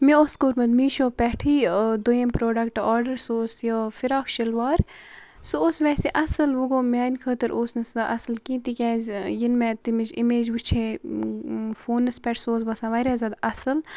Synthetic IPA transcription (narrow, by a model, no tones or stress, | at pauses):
mioːskoːɾmɐnmiːʃoːpɛʈʰiːd̪ojempɾoːɖɐkʈaːɾɖɐɾsoːsjəfiɾaːkʃɐlʋaːɾ | sɨoːsʋɛːseʔɐsɨlʋuɡoːmʲaːnʲkʰət̪əɾʔoːsnɐsʔɐsɨlkĩːt̪ikʲɛzjinmɛ̃t̪imid͡ʒimeːd͡ʒʋut͡ʃʰeː | foːnːɐspʲɛʈʰsoːsbɐsãːʋɐɾʲaːzʲɐd̪ɐsɨl